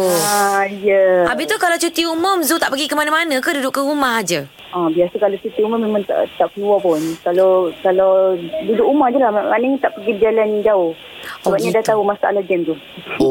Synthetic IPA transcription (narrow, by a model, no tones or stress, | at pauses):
ajəʔabit̪ukalawt͡ʃut̪iumʊmzut̪aʔpəɡikəmanə̃manə̃kadudʊʔkəumaɦad͡ʒə | ʔɔbiasəkalot͡ʃut̪iuməmemaŋt̪a̰ʔt̪aʔkəluapɔnikalokalodudʊkumãhd͡ʒəlahmaanəŋt̪aʔpəɡibəd͡ʒalanid͡ʒau | səbap̚ɲadaht̪aɦumasaʔa̰lad͡ʒɛmt̪u